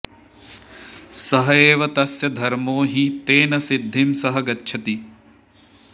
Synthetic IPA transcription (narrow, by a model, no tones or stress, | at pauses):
sɐɦɐeːʋɐt̪ɐsjɐd̪ʱɐɾmoːɦit̪eːnɐsid̪ʱːimsɐɦɐɡɐtːʃʰɐt̪i